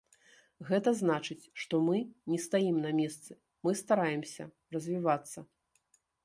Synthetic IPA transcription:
ɣɛt̪ɐznat͡ʂɨt͡sʲʂt̪ɔmɨnʲɛst̪ajimnɐmʲɛst̪sɨ | mɨst̪aɾajɛmsʲɐ̰ | rɐzʲvʲivat̪sːɐ

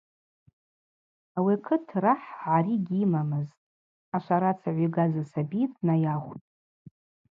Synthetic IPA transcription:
awikʰɨtʰraħʕaɾiɡʲimamɨztʼ | aʃʷaɾat͡sʰaʕʷiɡazasabitʼnajaχʷtʼ

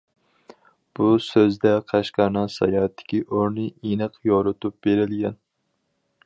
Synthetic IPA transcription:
b̥usøzd̪ɛqʰæʃqɑɾnɨŋsɑ̰jɑt̪ʰːɪ̥kʲiʔoɾnɨʔenɨqjoɾɨt̪up̚b̥eɾɪlɡʲɛn

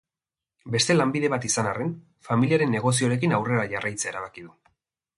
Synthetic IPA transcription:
be̞st̪e̞lambiðe̞βat̪isanaren | familiaɾe̞nːe̞ɣ̞o̞s̬ioɾe̞kinawre̞ɾaʝarajt͡seaeɾaβ̞akiðu

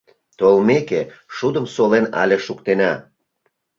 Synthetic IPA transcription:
t̪olmekeʃud̪ə̆msolenɑ̰lʲeʃukt̪enɑ

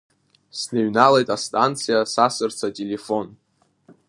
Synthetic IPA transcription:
sneɥnalejtʼastʼant͡sʰɨjasasɨrt͡sʰatʼelefo̞n

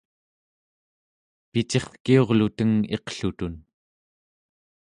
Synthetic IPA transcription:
pit͡ʃe̞χkio̞ʁlut̪əŋeqɬut̪un

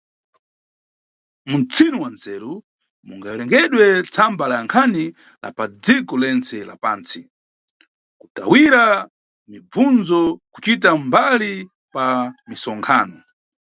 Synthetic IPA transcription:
munt͡sʰinuwand͡zɛːɾu | mṵŋɡajɔɾɛŋɡɛɗwɛt͡sʰambalaaŋkʰani | la̰pad͡zikɔlɛnt͡sɛla̰paːnt͡si | ku̥ta̰wiɾa | mibb͡vund͡zɔku̥t͡ʃitambali | pamisɔŋkʰaːnɔ

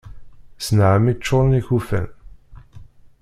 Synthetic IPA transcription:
snʕəmit͡ʃːoɾˤniçufæ̰n

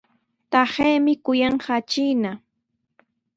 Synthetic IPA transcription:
t̪aheːmɪkʊjɑɴɢɑːt͡ʃijna

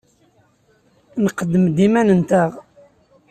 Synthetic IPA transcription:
nqəd̪ːəmd̪imænənt̪æʁ

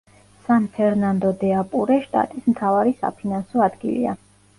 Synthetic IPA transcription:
sanpʰɛɾnand̪ɔd̪ɛapʼuɾɛʃt̪ʼa̰t̪ʼismt̪ʰavaɾisa̰pʰinansɔad̪ɡḭlḭa̰

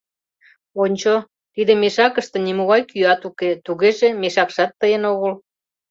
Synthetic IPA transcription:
onʲt͡ɕo | t̪id̪emeʃɑkəʃt̪ə̆nimuɣɑjkyɑt̪uket̪uɣeʒemeʃɑkʃɑt̪ːəjənoɣəl

